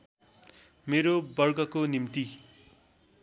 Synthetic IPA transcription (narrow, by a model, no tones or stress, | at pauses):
meɾobʌrɡʌkonimt̪i